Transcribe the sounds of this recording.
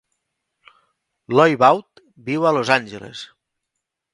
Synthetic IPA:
lɔjβawt̪ | biwəlozanʲʒelḛs

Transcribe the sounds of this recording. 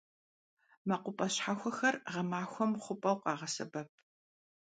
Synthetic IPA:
mɐqʷʊpʼɐɕħaxʷɔxɐrʁɐmaːxʷɔmχʷʊpʼɐwqɑːʁɐsɐbɐp̚ʰ

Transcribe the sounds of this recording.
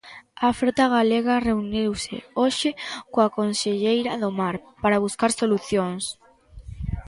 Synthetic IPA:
afɾot̪aɣaleɣareuniwsḛoʃɪkoakonseʎejɾaðomaɾpaɾaβ̞uskaɾsoluθjoŋs

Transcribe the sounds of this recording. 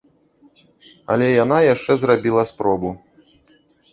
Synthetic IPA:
ɐ̰lʲɛjan̪ajaʂt͡ʂɛzrabʲilˠɐspɾɔbu

